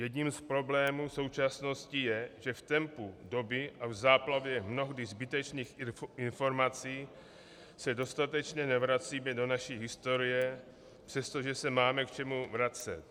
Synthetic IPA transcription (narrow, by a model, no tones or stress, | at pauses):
jɛdɲimspɾo̞blɛːmuːso̞wt͡ʃasno̞scɪjɛʒɛft̪ɛmpudo̞bɪʔavzaːplavjɛmno̞ɦdɪzbɪt̪ɛt͡ʃniːxɪnfo̞ɾmat͡siː | sɛdo̞st̪at̪ɛt͡ʃɲɛnɛvɾat͡siːmɛdo̞naʃiːɦɪst̪o̞ɾɪjɛ | pr̥ɛst̪o̞ʒɛsɛmaːmɛkt͡ʃɛmuvɾat͡sɛ̰t̪̚